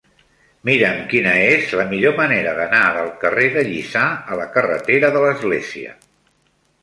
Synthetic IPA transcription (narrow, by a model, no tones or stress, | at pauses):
miɾəmkinəezləmiʎoməneɾəðənaðəlˠkəreðəʎisaələkərə̰t̪eɾəðələzɣleziə̰